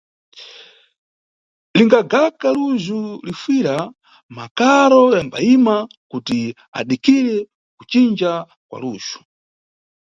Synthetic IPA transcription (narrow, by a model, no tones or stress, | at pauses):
liŋɡaɡakaluʒulifwiɾa | makaɾɔjamba̰imakuti | a̰ɗikʰiɾɛ | ku̥t͡ʃind͡ʒa | kwa̰luːʒ̥u̥